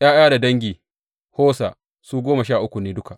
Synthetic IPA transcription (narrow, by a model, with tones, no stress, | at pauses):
ʔj̰aː˦j̰ʲaː˦da˨dɐ˦ŋɡʲiː˨ | hoː˦sa̰˨ | suː˦ɡʷoː˦ma˨ʃaː˦˨ʔʊ˦kʷu˨neː˦dʊ˦ka˨ʔ